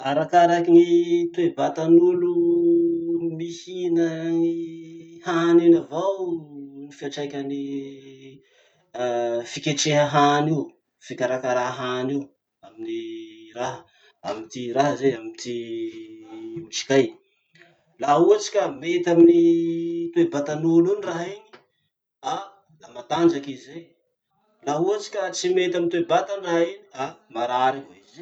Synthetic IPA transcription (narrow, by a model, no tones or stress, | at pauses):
aɾakaɾakinit̪webat̪anulu | mihinə | hanenavawnifiaʈ͡ʂajkʲəni | fikʲeʈ͡ʂeɦəɦaniu | fikʲaɾakaɾaɦɦaniw | aminiɾaɦə | amint̪iɾaɦəzeamit̪i | uʈ͡ʂi̥kaj | laɦuat͡si̥kʲamet̪aminit̪uebat̪anuluniraɦiɲi̥ | a | lamat̪and͡ʒakizej | laɦuat͡si̥kʲat͡simet̪amint̪uebat̪anrainiamaɾaɾiɦaize